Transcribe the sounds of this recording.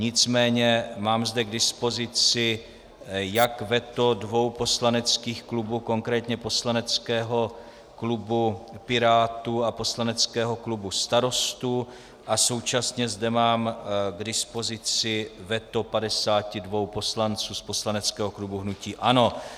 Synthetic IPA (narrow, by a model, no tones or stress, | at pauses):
ɲɪt͡smɛːɲɛmaːmzdɛɡdɪspo̞zɪt͡sɪ | jakvɛt̪o̞dvo̞wpo̞slanɛt͡skiːxklubuːko̞ŋkɾɛːt̪ɲɛpo̞slanɛt͡skɛːɦo̞ | klubupɪɾaːt̪uapo̞slanɛt͡skɛːɦo̞klubust̪aɾo̞st̪u | ʔaso̞wt͡ʃasɲɛzdɛmaːmɡdɪspo̞zɪt͡sɪvɛt̪o̞padɛsaːcɪdvo̞wpo̞slant͡suːspo̞slanɛt͡skɛːɦo̞klubuɦnuciːʔano̞